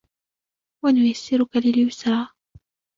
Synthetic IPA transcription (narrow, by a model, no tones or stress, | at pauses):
wanʊjasːɪɾʊkalɪljʊsɾˤɑː